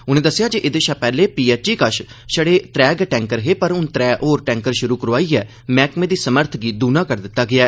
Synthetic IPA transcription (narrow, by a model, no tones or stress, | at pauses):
ʊnẽːd̪əsːɪjaːd͡ʒeʔɪd̪eːʃaːpɛːleːpiːɛːt͡ʃiːkəʃ | ʃəɽeːt̪ɾɛːɡʈɛ̃ːŋkəɾɦeːpəɾʊnt̪ɾɛːʔoːɾʈɛ̃ːŋkəɾʃʊɾuːkəɾaːiːɛː | mɛːkmẽːd̪iːsəməɾt̪ʰɡiːd̪uːnãːkəɾd̪ɪt̪ːaːɡɪaːɛː